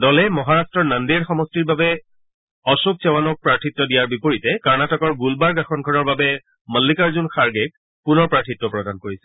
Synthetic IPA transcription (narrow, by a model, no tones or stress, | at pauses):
dɔlɛmɔɦaɹastɹɔɹnandiɛɹxɔmɔstiɹbabɛ | ɔsuk̚sɛwanɔk̚pɹaɹtʰitːɔdijaɹbipoɹitɛkaɹnatɔkɔɹɡulbaɹɡaxʰɔnɡʱɔnɔɹbabɛ | məlːikaɹzunxaɹɡɛk̚ | punɔɹpɹatʰitːɔpɹɔdankoɹisɛ̥